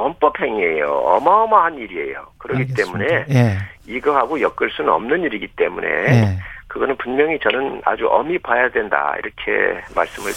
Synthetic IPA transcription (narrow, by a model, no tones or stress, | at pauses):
ʌmp͈ʌpʰe̞ŋie̞jo̰ʌmaʌmaɦaniɾie̞̰jo̰kɯɾʌɡit͈e̞mune̞ | iɡʌɦaɡojʌk͈ɯɭs͈unɯnʌmnɯniɾiɡit͈e̞mune̞̰kɯɡʌnɯnpunmjʌŋit͡ɕʌnɯna̰d͡ʑuʔʌ̰mipajadwe̞nda̰ḭɾʌkʰe̞̰ma̰ɭs͈ɯmɯɭ